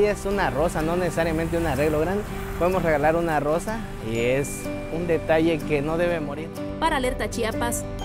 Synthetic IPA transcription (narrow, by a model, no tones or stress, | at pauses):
iesunarosanonesesaɾjamẽnt̪̬eunareɣloɣɾand̪e | poðemosreɣalaɾunarosa | iees | und̪et̪aʝekenoðeβemoɾiɾ | paɾaleɾt̪at͡ʃiapas